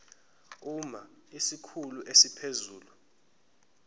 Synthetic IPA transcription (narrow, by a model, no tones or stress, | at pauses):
uma | isikʰuluʔesipʰezuːlu